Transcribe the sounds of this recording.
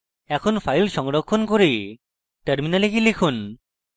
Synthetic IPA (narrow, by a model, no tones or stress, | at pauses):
ɛkʰonpʰajlʃɔŋɾokʰːonkoɾi | ʈeɾminalekilikʰun